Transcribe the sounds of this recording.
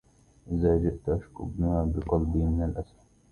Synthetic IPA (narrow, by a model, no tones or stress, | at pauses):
ʔzaːd͡ʒɪʔt̪aʔaʃkʊbnaaːbɪqɑlbiːmɪnalʔas